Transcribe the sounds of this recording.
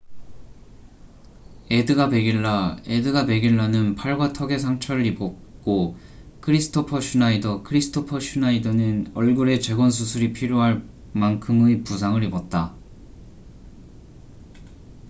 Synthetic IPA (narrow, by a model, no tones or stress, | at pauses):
e̞dɯɡape̞ɡiɭːae̞dɯɡape̞ɡiɭːanɯnpʰaɭɡwatʰʌɡe̞s̬ʰaŋt͡ɕʰʌɾɯɾibʌ | k͈o | kʰɯɾisʰɯ̥tʰopʰʌɕʰunaidʌkʰɯɾisʰɯ̥tʰopʰʌɕʰunaidʌnɯnʌɭɡuɾe̞t͡ɕe̞ɡwʌns̬ʰusʰuɾipʰiɾjoɦaɭ | mankʰɯmɯjpusʰaŋɯɾibʌt̚t͈a